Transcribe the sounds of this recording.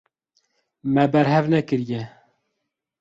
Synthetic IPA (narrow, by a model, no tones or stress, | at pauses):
mɛbɛɾɦɛvnɛkɨɾjɛ